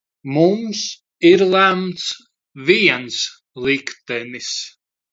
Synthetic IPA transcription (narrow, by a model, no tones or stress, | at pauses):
mums | iɾlˠæmt̪s | viɛns | lˠikt̪ɛnis